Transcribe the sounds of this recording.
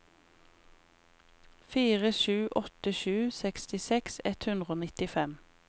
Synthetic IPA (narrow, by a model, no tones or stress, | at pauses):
fiːʁəʃʉːʔɔt̪əʃʉːsɛkst̪ɪsɛksɛt̪hʉnd̪ʁəoːnɪt̪ɪfɛm